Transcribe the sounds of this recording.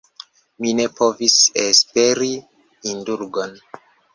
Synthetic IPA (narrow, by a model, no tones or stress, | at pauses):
mine̞po̞visespe̞ɾi | induɾɡo̞n